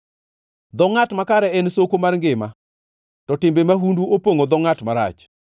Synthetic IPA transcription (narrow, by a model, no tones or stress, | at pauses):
d̪ɔŋatmakaɾɛɛnsokomarŋɡɪma | tɔtɪmbemaɦunduʔopoŋod̪ɔŋatmaɾa̰t͡ʃ